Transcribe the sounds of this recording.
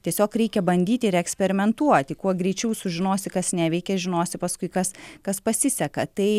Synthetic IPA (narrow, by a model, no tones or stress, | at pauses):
t̪ʲiɛsʲoːkɾʲɛɪkʲɛbɐnʲd̪ʲiːt̪ʲɪɪɾɛksʲpʲɛɾʲɪmʲɛnt̪uɔt̪ʲɪkuɔɡɾʲɛɪt͡ʃʲɛʊsʊʒʲɪnoːsʲɪkɐsnʲæːʋʲɛɪkʲɛʒʲɪnoːsʲɪpɐskʊɪkɐskɐspɐsʲɪsʲɛkɐt̪ɐɪ